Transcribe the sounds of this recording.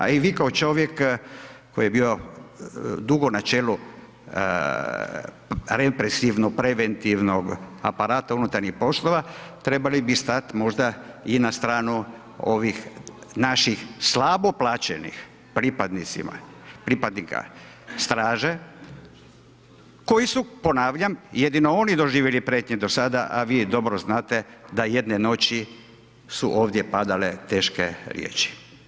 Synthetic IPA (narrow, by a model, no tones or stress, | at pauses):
a̰iʋiːkaot͡ʃo̞ʋjek | kojijebiːo̞ | d̪uɡo̞nat͡ʃeːlu | ɾepɾesiʋnopɾeʋent̪iʋnoɡa̰paɾaːt̪aunut̪aɾɲixpo̞slˠoʋat̪ɾe̞balibist̪at̪mo̞ʒd̪ainast̪ɾaːnu | o̞̰ʋixnaʃixslabo̞plaːt͡ɕḛnḭx | pɾipad̪nit̪sḭma̰pɾipad̪nika̰ | st̪ɾaːʒe | ko̞jisupo̞naːʋʎamjed̪ino̞o̞nid̪o̞ʒiːʋjelipɾet̪ɲed̪o̞sad̪aʔaʋiːd̪o̞bɾoznaːt̪e̞d̪aje̞d̪neno̞t͡ɕi | suʔo̞ːʋd̪jepad̪alet̪e̞ːʃkḛɾjḛːt͡ʃi̥